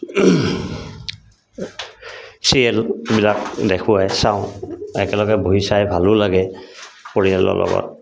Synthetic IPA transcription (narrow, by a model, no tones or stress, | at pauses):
siɛlbilak̚dɛkʰʊwajsãʊ̃ɛkɛlɔɡɛboɦisajbʱalʊlaɡɛpoɹiɛlɔ̰lʔɔ̰bɔ̰t̚